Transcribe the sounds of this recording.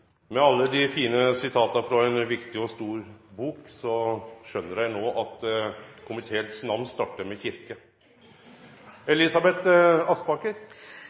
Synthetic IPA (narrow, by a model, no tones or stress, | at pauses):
mɛɑlːəd̪ɪfiːnəsɪt̪ʰɑːt̪ɑfɾɔɛnʋɪkt̪ɪɔst̪uːɾbuːksɔʃœnːəɾjæɪnoːʔɑt̪kʰʊmɪt̪ʰeːt̪snɑʋnst̪ɑːʈːəmɛçɪɾkə | ɛliːsɑbɛt̪ɑspɑːkəɾ